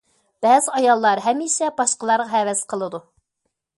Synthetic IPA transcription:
b̥ɛːzɪɑjɑlˠːɑɾɦɛmiʃɛbɑʃqəlˠɑɾʁɑɦɛwɛsqʰəlˠɨd̪u

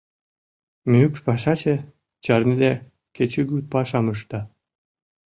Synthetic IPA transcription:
mykpɑʃɑt͡ɕe | t͡ɕɑrnid̪æ | ket͡ɕyɡypɑʃɑməʃt̪ɑ

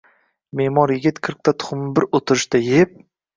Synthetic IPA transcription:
memɒɾjɪɡʲɪt̪kʲʰɨɾq̚t̪ʰat̪ʰʊ̥χʊmɪbɪɾot̪ʰɪɾɪʃt̪ajep̚

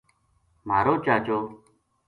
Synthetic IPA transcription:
m̤aːɾoːt͡ʃaːt͡ʃoː

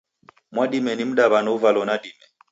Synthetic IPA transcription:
mwaɗimɛnim̩ɗaβanɔuvalɔnadimɛ

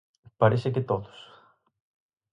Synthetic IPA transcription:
pɐɾisecet̪ot̪o̥s

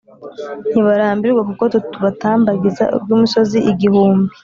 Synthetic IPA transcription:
n̥iβaɾaːmbiɾɡwakuko̞tutuβataːmbaɡiza̰ṵbɡuːmuso̞ziiɡihuːmbi

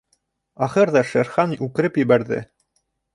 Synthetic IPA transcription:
ɑχɤɾðɑʃæɾχɑnʉkɘ̆ɾɘpjɘ̆βæɾðɘ̰

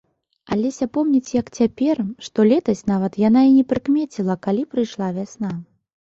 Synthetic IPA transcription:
alʲɛsʲapɔmnʲit͡sʲjɐkt͡sʲapʲɛrʂt̪ɔlʲɛt̪ɐsʲnavɐt̪jan̪ainʲɛpɾɨkmʲet͡sʲilˠɐkalʲipɾɨjʂlˠavʲasn̪a

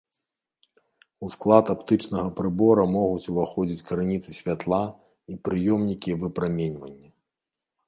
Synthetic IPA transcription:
usklˠat̪apt̪ɨt͡ʂnɐɣɐpɾɨbɔɾɐmɔɣut͡sʲuvaxɔd͡zʲit͡sʲkɾɨnʲit̪sɨsʲvʲat̪lˠa | ipɾɨjɔmnʲikʲivɨpɾamʲenʲvɐnʲːɐ

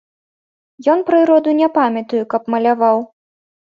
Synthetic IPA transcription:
jɔnpɾɨɾɔd̪unʲɛpamʲɐt̪ujukɐpmɐlʲavaw

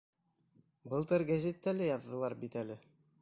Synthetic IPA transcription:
bɤlˠt̪ɤɾɡæzʲet̪ːælɘjɑðːɤ̆lˠɑɾbit̪ælɘ

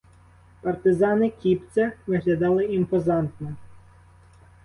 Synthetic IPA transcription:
pɐrt̪ɪzɑnɪkʲipt͡sʲɐʋɪɦlʲɐd̪ɑlˠɪimpɔzɑnt̪nɔ

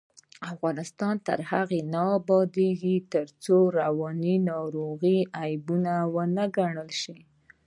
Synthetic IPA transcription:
afɣɑnɪst̪ɑnt̪ə̰ɾhaɣenɑbɑd̪eɡit̪əɾt͡soɾawɑninɑɾoɣiajbunawənəɡaɳəlʃi

